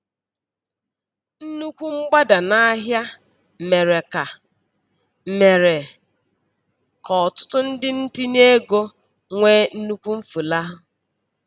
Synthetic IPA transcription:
n̩˦nu˦kʷu˦ŋ͡m̩˦ɡ͡ba˦da˨na˦a˦ɦja˦ | me˨ɾe˨ka˨ | me˨ɾe˨ | kɔ˨ɔ˨tʊ̥˦tʊ˦n̩˦dɪ˦n̩˦ti˦n˦e˦ɡo˦ | ŋʷe˦n̩˦nu˦kʷu˦m̩˦fu˨la˦ɦʊ˦

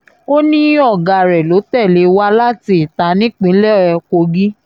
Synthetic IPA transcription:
o˦nĩ˦ɔ˦˨ɡa˨ɾɛ˨lo˨˦tɛ˦˨le˨˦wa˦la˦ti˧i˨ta˨˦nĩ˦k͡pĩ˨˦lɛ˦ɔ˨ɛ˧ko˧ɡi˦

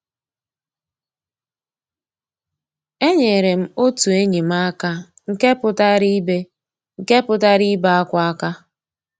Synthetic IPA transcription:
e˦ɲe˨ɾe˨m̩˦o˦tu˨e˦ɲi˨m̩a˦ka˦ | ŋ̩˦ke˦pʊ˦ta˦ɾi˦be˦ | ŋ̩˨ke˦pʊ˦ta˦ɾi˦ba˦a˦kʷa˦a˦ka˦

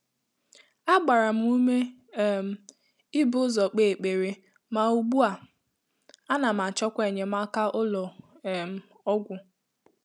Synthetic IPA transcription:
a˦ɡ͡ba˨ɾa˨m̩˦u˦me˦˨ | m̩˨ | ɪ˦bʊ˦zɔ˨k͡pe˨k͡pe˨ɾe˨ | ma˨u˨ɡ͡bu˦a˨ | a˦na˨m̩˨a˨t͡ʃɔ˦kʷe˨ɲe˨ma˦ka˦ʔʊ˦lɔ˨ | m̩˨ | ɔ˦ɡʷʊ˨

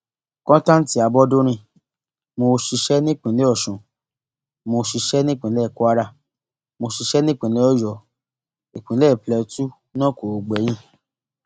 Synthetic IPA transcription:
kɔ̃˦tã˦n̩˦ti˨˦a˧bɔ˦do˦ɾ̃ĩ˧ | mo˧ʃi˧ʃɛ˦nĩ˦k͡pĩ˨le˨˦ɔ˦˨ʃũ˨ | mo˧ʃi˧ʃɛ˦nĩ˦k͡pĩ˨˦lɛ˦˨ku˦a˦ɾa˧˨ | mo˧ʃi˧ʃɛ˦nĩ˦k͡pĩ˨le˨˦ɔ˦˨jɔ˨ | e˨k͡pĩ˨˦lɛ˦˨plɛ˧tu˦ | nã˦ko˨u˨ɡ͡bɛ˨˦j̃ĩ˦

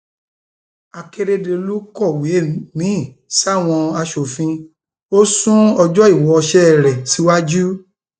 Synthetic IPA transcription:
a˨ke˧ɾe˧de˧lu˦kɔ˦˨we˨˦˨nĩ˨˦˨ | sa˦˨w̃ɔ̃˧a˧ʃo˨fĩ˧ | o˦sũ˦ɔ˧d͡ʒɔ˦i˦˨wɔ˨˧ʃɛ˦˨ɾɛ˨si˨˦wa˦d͡ʒu˦

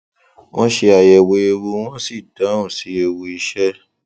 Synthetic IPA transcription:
wɔ̃˦ʃe˧a˨jɛ˨we˨˦e˧wu˧w̃ɔ̃˦si˦˨dã˨˦ũ˦˨si˨˦e˧wu˧i˧ʃɛ˦

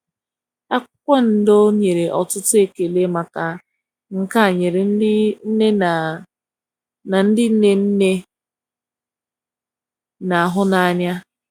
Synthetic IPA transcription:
a˦kʊ˦kʷe˦n̩˨do˦ɲe˨ɾe˨ʔɔ˨tʊ˦tʊ˦e˦ke˨le˦ma˨ka˨ | ŋ̩˨ka˦˨ɲe˨ɾe˨n̩˦ne˦˨ | na˨n̩˦dɪ˦ne˦n̩˦ne˦ | na˨a˨ɦʊ˦na˨a˨ɲja˦

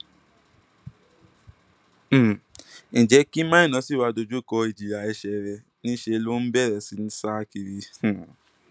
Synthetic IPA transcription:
nĩ˨d͡ʒɛ˨˦ki˦mãː˦ĩ˦˨nã˨˦si˦˨wa˧do˧d͡ʒu˦˨kɔ˧i˨d͡ʒi˨ɾa˨ɛ˧ʃɛ˧ɾɛ˧ | nĩ˦ʃe˧lo˦n̩˦bɛ˦˨ɾɛ˨si˧˦n̩˦sa˦ki˧ɾi˧˨

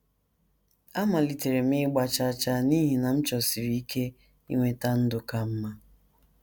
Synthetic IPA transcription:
a˦ma˨li˨te˨ɾe˨m̩˦ɪ˦ɡ͡ba˦t͡ʃa˦t͡ʃa˦ni˦ɦi˨na˨m̩˦t͡ʃɔ˨si˨ɾi˦i˦kʰe˦ | ḭ˦ŋʷe˨ta˦n̩˦dʊ˨ka˦m̩˦ma˦

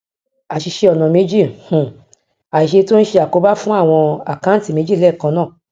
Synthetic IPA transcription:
a˨ʃi˧ʃe˧ɔ˨nã˨me˨˦d͡ʒi˦˨hũ˨ | a˨i˨ʃe˧to˦n̩˦ʃe˧a˨ko˧˦ba˦fũ˦a˦˨w̃ɔ̃˧a˨kã˦ti˦˨me˨˦d͡ʒi˦˨lɛ˦˨kã˧nãː˦˨

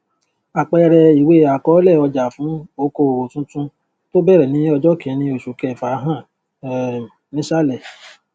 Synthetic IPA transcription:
a˨k͡pɛ˧ɾɛ˧i˨we˦a˨kɔ˨˦lɛ˦˨ɔ˧d͡ʒa˨fũ˨˦o˦ko˧˨wo˨tũ˦tũ˦ | to˦bɛ˦˨ɾɛ˨nĩ˨˦ɔ˧d͡ʒɔ˦kĩ˨˦nĩ˧o˨ʃu˨˦kɛ˧˨fa˨˦ɦã˦˨ | nĩ˨˦ʃa˦˨lɛ˨

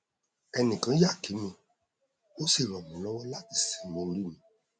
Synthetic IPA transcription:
ɛ˧nĩ˨kã˨˦ja˦˨ki˨˦mĩ˧ | o˦si˦˨ɾ̃ɔ̃˨mũ˨˦lɔ˦wɔ˦la˦ti˨si̥˨˦õ˧ɾi˦mĩ˨˦

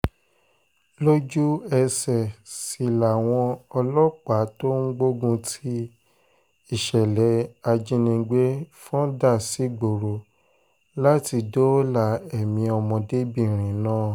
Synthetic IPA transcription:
lo˦d͡ʒu˦ɛ˧sɛ˨si˨la˨w̃ɔ̃˧ɔ˧lɔ˦k͡pa˨˦to˦ŋ̩˦ɡ͡bo˦ɡũ˧tʰi˦ | i˦˨ʃɛ˨lɛ˨˦a˧d͡ʒĩ˧˦nĩ˧ɡ͡be˦fɔ̃˦da˦˨si˨˦ɡ͡bo˨ɾo˨ | la˦ti˧do˦la˧˨ɛ˦˨mĩ˧ɔ˧mɔ̃˧de˦bi˦˨ɾ̃ĩ˨˦nãː˦˨

